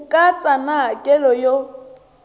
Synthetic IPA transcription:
kʼat͡sʼanakʼɛlɔjo

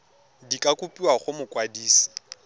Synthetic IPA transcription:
dikʼakʼupʼiwaχʊmʊkʼwadiːsi̥

